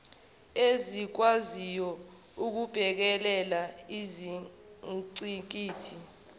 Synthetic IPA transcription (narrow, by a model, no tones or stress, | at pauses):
ezik̬wazijɔ | uk̬ub̥ʱɛk̬ɛlɛlaizi | ǀiŋk̬ʼiːtʰi